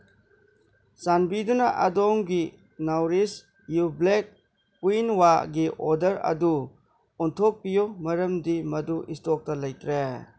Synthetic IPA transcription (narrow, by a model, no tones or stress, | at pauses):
sanbidunɐʔadɔŋɡi | nawɾis | jublek̚ː | uinwaɡiʔɔdɐɾɐ̰du | ɔntʰok̚pijomɐɾɐmdimɐduʔistɔk̚tɐlɐjtʰɾe